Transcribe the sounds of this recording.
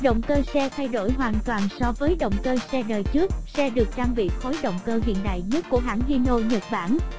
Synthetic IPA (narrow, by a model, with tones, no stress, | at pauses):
ɗə̰˧˨wŋ͡mkəː˧sɛ˧t̪ʰa˧jɗo˧˩jɦwaː˨˩nt̪waː˨˩nsɔ˧vəː˨˦jɗə̰˧˨wŋ͡mkəː˧sɛ˧ɗəː˨˩jt͡ɕɨ˦˥ək̚sɛ˧ɗɨ˨˩ək̚t͡ɕaː˧ŋɓḭ˧˨xo˨˦jɗə̰˧˨wŋ͡mkəː˧ɦḭ˧˨ənɗa̰ː˧˨jɲə˦˥t̚ku˧˩əɦaː˧˩˥ŋli˧no˧ɲə˨˩t̚ɓaː˧˩n